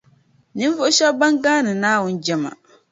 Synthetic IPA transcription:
nɨ˦n˦vʊ˦ʔʊ˦ʃɛ˦ba˦ŋɡaː˦nɨ˨naː˦wʊ˦nd͡ʒɛ˦ma̰˨

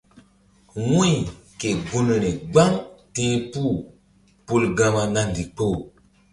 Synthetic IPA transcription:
ŋwũ˦i˨ | ke˨ɡu˦nə˨ne˨ɡ͡ba˦ŋtẽ˦pu˦˨ | pu˦˨lɡa˦ma˨na˦n˨di˨k͡po˦˨

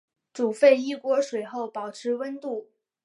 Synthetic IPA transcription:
ʈ͡ʂu˨˩fe˥˧ɪi˥˩kwɔ˧˥ʂwe˨˩ɪxo˥˩ʊpɑ˨˩ʊʈ͡ʂʰɻ̩˧˥wə˥nt̪u˥˩

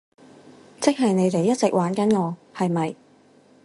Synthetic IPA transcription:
t͡sɪ˥k̚ɦɐ˨jne˨˧jt̪e˨jːɐ˥t̚t͡sɪ˨k̚waː˨˥nkɐ˨˥nŋɔː˨˧hɐ˨jmɐ˨j

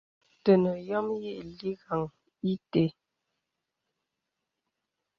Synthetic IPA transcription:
tə˨nə˨jɔ˦mje˦ʔli˦ɣa˨ŋ | i˦te˨

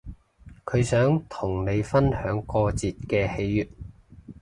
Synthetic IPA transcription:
kʰɵ˨˧ɥsœː˨˥ŋt̪ʰʊ˨˩ŋne˨˧jfɐ˥nhœː˨˥ŋkɔː˧t͡siː˨t̚kɛː˧he˨˧˥jːyː˨t̚

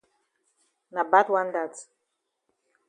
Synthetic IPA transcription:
na˨ba˦twa˦n˦da˦˨t

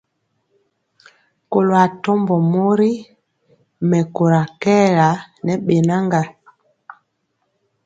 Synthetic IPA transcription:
ko˨lo˨a˨tɔ˦mbɔ˨mo˦ɾi˦ | mɛ˨ko˨ɾa˨kɛ˦la˨nɛ˨˦ɓe˨na˦ŋɡa˨

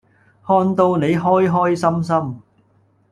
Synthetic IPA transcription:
hɔː˧nt̪o˧wne˨˧jɦɔː˥jɦɔː˥jsɐ˥ms̬ɐ˥m

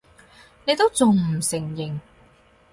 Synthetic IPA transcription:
ne˧jt̪o˥wt͡sʊ˨ŋm̩˨˩sɪ˨˩ŋjɪ˨˩ŋ

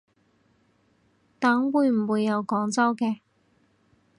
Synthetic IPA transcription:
t̪aː˨˥ŋwuː˨˧jm̩˨˩wuː˨˧jːɐ˨˧wkɔː˨˥ŋt͡sɐ˥wkɛː˧

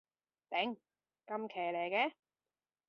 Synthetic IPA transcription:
t̪ɛ˨˥ŋ | kɐ˧mkʰɛː˨˩jleː˨˩kɛː˧

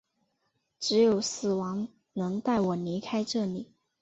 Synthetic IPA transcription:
ʈ͡ʂɻ̩˧˥jo˨˩ʊsɹ̩˨˩wɑ˧˥ŋ | nɤ˧˥ŋt̪a˥˩ɪwɔ˨˩li˧˥kʰa˥ɪʈ͡ʂɤ˥˩li˨˩˦

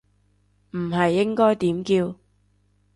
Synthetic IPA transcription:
m̩˨˩ɦɐ˨jːɪ˥ŋkɔː˥jt̪iː˨˥mkiː˧w

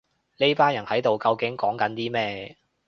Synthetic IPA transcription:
ne˥jpaː˥njɐ˨˩nhɐ˨˥jt̪o˨wkɐ˧wkɪ˨˥ŋkɔː˨˥ŋkɐ˨˥nt̪iː˥mɛː˥

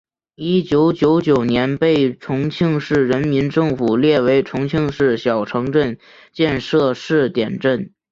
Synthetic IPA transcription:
i˥t͡ɕjo˧˥ʊt͡ɕjo˧˥ʊt͡ɕjo˨˩ʊnjɛ˧˥npe˥˩ɪʈ͡ʂʰʊ˧˥ŋt͡ɕʰi˥˧ŋʂɻ̩˥˩ɻə˧˥nmi˧˥nʈ͡ʂɤ˥˩ŋfu˨˩ljɛ˥˩we˧˥ɪʈ͡ʂʰʊ˧˥ŋt͡ɕʰi˥˧ŋʂɻ̩˥˩ɕjɑ˨˩ʊʈ͡ʂʰɤ˧˥ŋʈ͡ʂə˥˧n | t͡ɕjɛ˥˧nʂɤ˥˧ʂɻ̩˥˩t̪jɛ˨˩nʈ͡ʂə˥˩n

